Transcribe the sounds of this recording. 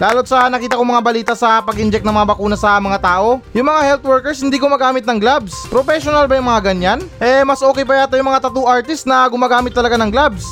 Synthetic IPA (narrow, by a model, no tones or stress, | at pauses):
laːlot̪̚sɐnɐkiːt̪ɐkoŋmɐŋabɐliːt̪ɐsɐpɐɡʔɪnd͡ʒɛk̚nɐŋmɐŋabɐkuːnɐsɐmɐŋat̪aːʔo̞jʊŋmɐŋahɛlt̪wɛɹkɛɹs̬hɪnd̪iːɡʊmaːɡaːmɪt̪̚nɐŋɡlabspɾofɛʃonɐlbɐjʊŋmɐŋaɡɐɲːanʔɛmɐsʔo̞ːkɛjp̬ɐjaːt̪ojʊŋmɐŋat̪ɐt̪uʔaɹt̪ɪst̪nɐɡʊmaːɡaːmɪt̪ːɐlɐɡanɐŋɡlabs